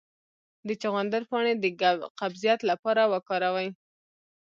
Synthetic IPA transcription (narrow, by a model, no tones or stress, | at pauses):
d̪ət͡ʃaɣand̪aɾpɑɳed̪əɡqabzijat̪lapɑɾawəkɑɾawaj